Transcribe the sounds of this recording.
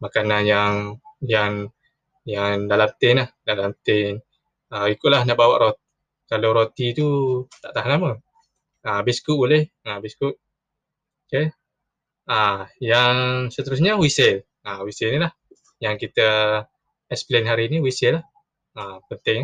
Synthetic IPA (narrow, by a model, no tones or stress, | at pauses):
makananjaŋjan | jaŋdalamt̪enlahdalamt̪en | əikʊʔ̚lahnaʔbawaʔɾot̪ | kaloɾot̪it̪ut̪aʔt̪aɦanamə | əbiskuʔbolɛhabiskuʔ | oke | ajaŋsət̪əɾus̬ɲəwisɛl | əwisɛlnilah | jaŋkit̪ə | ɛsplenɦaɾiniwisɛlah | əpənt̪ɪŋ